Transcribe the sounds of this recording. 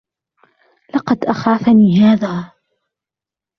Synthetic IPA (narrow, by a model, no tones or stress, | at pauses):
lɑqɑd̪ʔaxaːfaniːɦaːðaː